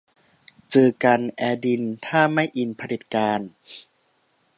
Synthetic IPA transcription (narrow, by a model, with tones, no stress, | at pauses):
t͡ɕɯː˧˩ka˧nʔɛː˧di˧nt̪ʰaː˥˩ma˥˩jʔi˨˧npʰa˧li˨˩t̪̚kaː˧n